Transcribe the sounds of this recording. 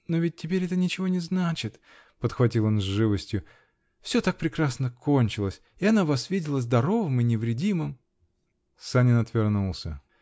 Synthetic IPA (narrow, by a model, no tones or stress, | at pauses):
novʲɪt̚ʲːɪpʲeɾʲɛt̪ənʲɪt͡ɕɪvo̞nʲɪznat͡ɕɪt̪ | pət̪xvɐtʲilˠo̞nzʐɨvəsʲtʲjʊ | fsʲɵ̞t̪ak̚pɾʲɪkɾasnəko̞nʲt͡ɕɪlˠəsʲ | ɪɐnavɐsvʲidʲɪlˠəzd̪ɐɾo̞vəmɨnʲɪvɾʲɪdʲimɨm | sanʲɪnɐt̪vʲɪrnulˠsʲə